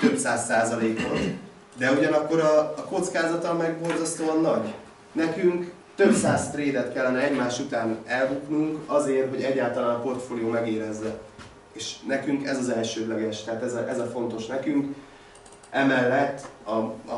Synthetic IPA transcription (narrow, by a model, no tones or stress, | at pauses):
t̪øbsaːsːaːzɒleːkɒ̰n | d̪ɛuɟɒnɒkːo̞ɾɒːko̞t̪skaːzɒt̪ɒmɛɡbo̞rzɒst̪oːɒnːɒɟ | nɛkyŋk | t̪øbsaːst̪reːd̪ɛt̪kɛlːɛnɛɛɟmaːʃut̪aːnɛlbut̪nuŋkɒzeːrɦo̞ɟɛɟːaːlt̪ɒlaːnɒpo̞rt̪foːlijoːmɛɡeːɾɛzːɛ | eːʃnɛkyŋkɛzɒzɛlʃøːd̪lɛɡɛʃt̪ɛɦaːt̪ɛzɛʔɛzɒfo̞nt̪o̞ʃnɛkyŋk | ʔɛmɛlːɛt̪ːɒ